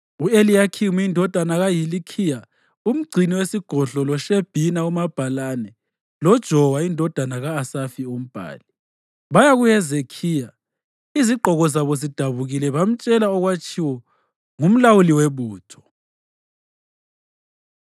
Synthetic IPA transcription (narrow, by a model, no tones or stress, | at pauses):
uelijakʰimiindʱɔd̥ʱanaɣajilikʰija | um̩ɡ͡ǀʱiniwesiɡ̥ʱɔɮɔlɔʃeb̥ʱinaumab̥ʱalanɛ | lɔd̥ʒ̥ʱɔwaindʱɔd̥ʱanaɣaːsafium̩b̥ʱa̰ːli | βajaɣujɛzekʰija | iziɡ͡ǃʱɔɣɔzaβɔzid̥ʱaβuɣilɛβam̩t͡ʃʼɛlaɔɣwat͡ʃʼʰiwɔ | ŋum̩lawuliweβuːtʰɔ̥